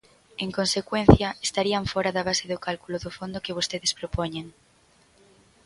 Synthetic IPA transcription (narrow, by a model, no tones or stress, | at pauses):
eŋkonsekwen̟θjɐest̪aɾiaɱfɔɾaðaβ̞aseðokalkuloðofond̪okeβost̪eðespɾopoɲeŋ